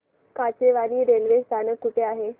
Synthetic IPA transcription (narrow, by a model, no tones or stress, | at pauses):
kat͡ɕeʋaniːɾelʋest̪ʰanəkːuʈʰeaɦe